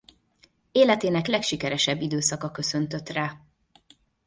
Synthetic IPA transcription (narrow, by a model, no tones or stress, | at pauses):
eːlɛt̪eːnɛklɛkʃikɛɾɛʃɛbːid̪øːsɒkɒkø̞sø̞nt̪ø̞t̪raː